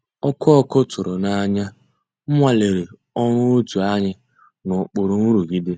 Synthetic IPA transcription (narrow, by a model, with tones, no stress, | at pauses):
ɔ˦kʰɔ˦ɔ˦kʊ˦tʊ˨ɾʊ˨na˨a˨ɲa˦ | m̩˦ŋʷa˦˨le˨ɾe˨ | ɔ˦ɾʊ˦o˦tu˨a˦ɲɪ˦ | nʊ˨k͡pʊ˨ɾʊ˨nu˦ɾu˨ɡi˦de˦